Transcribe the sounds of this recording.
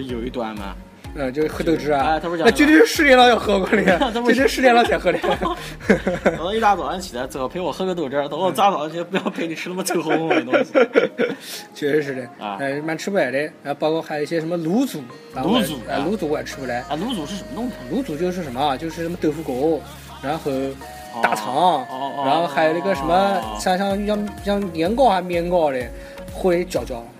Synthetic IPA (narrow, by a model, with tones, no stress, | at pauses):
jo˨˩ʊi˧˥˩t̪wa˧˩nma̰˨˩ | ə˥˧t͡ɕjo˥˧ʂ̩˥˧xɤ˥˧t̪ɤ˥˧ʈ͡ʂɻ̩˥a˧a˥˧˩t̪̩ʰ˥˧˥na˥˩˧t͡ɕt̪jɛ˥˩˥ʂɻ̩˥˧ljɛ˥˧lɑ˥˧ʊjɑ˥˧ʊxɤ˧˥kwɔ˧˩ni˨˩˥a˥m˥t̪ʂɻ̩˥˧ljɛ˥˧nlɑ˥ʊt͡ɕʰjɛ˧˩nxɤ˥˧ljɛ˧˩˨ | ɑ˥˧i˥˧t̪a˥˩t͡sɑ˨˩ʊa˥nt͡ɕʰi˨˩la˧˥ɪt͡s̩ʰ˧˥˩ɑ˧˩pʰe˧˥ɪwɔ˨˩xɤ˧˥kt̪ɤ˥˩ʈ͡ʂ̩˥˧˩t̪o˧˥˧t͡sa˥t͡sɑ˨˩a˧˥nt͡ɕʰi˧˩˥pu˧˥jɑ˥˩ʊpʰe˧˥ɪni˨˩ʈ͡ʂʰɻ̩˥na˥˩mə˧t̪ʰɤ˥˩xʊ˧ʊ˥˨˧ | t͡ɕɛ˧˥˩ʂɻ̩˥˩ɛ̰˧˩˧ma˨˩nʈ͡ʂ̩ʰ˥bu˧la˨˩ɪɾe˥˧ɻxpɑ˥ʊkʰwɔ˥˩xji˧ɕjɛ˧ʂə˧˥mə˧lu˧˥t͡su˨˩˦ | ɻa˧˥˧a˧˩lu˧˥t͡su˧˩kwa˨˩ʈ͡ʂʰɻ̩˥bu˨˩la˧˩˦ɪ˥˧˩lu˧˥t͡su˨˩ʂɻ̩˥˩ʂə˧˥mə˥t̪ʊ˥˩ŋi˨lu˧˥t͡su˨˩t͡ɕjo˥˧ʊʂ̬ɻ̩˥˩ʂə˧˥nmə˧t͡ɕjo˥˧ʊʂɻ̩˥˧a˥˩mə˧t̪ɤ˥˧˩fu˥ko˨˩˦ʊ | ɻa˧˥xo˥˩xɤ˧˥ | t̪a˧˥˩t͡sʰɑ˧˥ŋa˧˥nxo˥˧ʊxa˧˥ɪjo˨˩ʊi˧˥ɡə˧ʂə˧˥nmə˧ɕɑ˥˧ŋɕjɑ˥˧jɑ˥˧ŋɕjɑ˥˩ŋnjɛ˧˥nkɑ˥˧ʊxa˧˩mjɛ˥˧nkɑ˥˩ʊd̪e˨˩ | xo˥˩le˧˥t͡ɕjɑ˨˩ʊt͡ɕjɑ˨˩˦ʊ